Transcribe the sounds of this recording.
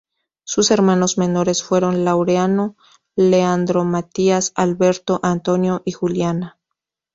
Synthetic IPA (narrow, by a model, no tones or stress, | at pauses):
suse̞ɾmãno̞zme̞no̞ɾe̞sfwe̞ɾo̞nlawɾeano̞ | leand̪ɾo̞mat̪iasalβe̞ɾt̪o̞ʔant̪o̞njo̞ʔixuljana